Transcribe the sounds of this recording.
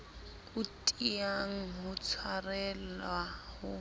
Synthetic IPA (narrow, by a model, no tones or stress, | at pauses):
ʊtʼiaŋ̩ɦʊt͡sʰarɛlahʊ